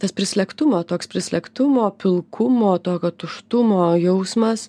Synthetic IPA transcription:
t̪ɐspʲɾʲɪsʲlʲɛkt̪ʊmoːt̪oːkspʲɾʲɪsʲlʲɛkt̪ʊmoːpʲɪlˠkʰʊmoːt̪oːkʲot̪ʊʃt̪ʊmoːjɛʊsmɐs

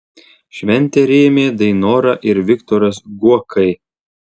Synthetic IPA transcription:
ʃʲʋʲɛnʲt̪ʲeːɾʲeːmʲeːd̪ɐɪnoːɾɐʔɪɾʋʲɪkt̪ɔɾɐsɡuɔkʰɐɪ

